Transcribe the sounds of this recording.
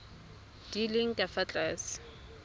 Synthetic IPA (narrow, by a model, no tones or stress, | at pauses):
d̥iliŋ̩tʼafat͡ɬʼɛs